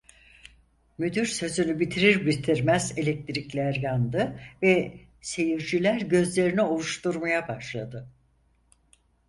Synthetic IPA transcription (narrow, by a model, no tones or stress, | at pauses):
myd̪yɾsø̞zynybit̪ʰiɾiɾbit̪ʰiɾmæze̞lʲɛc̚t̪ʰɾiclʲæɾjand̪ɯvɛ | se̞jiɾd͡ʒilʲæɾɟø̞zlʲe̞ɾinio̞lˠuʃt̪uɾmajabaʃlˠad̪ɯ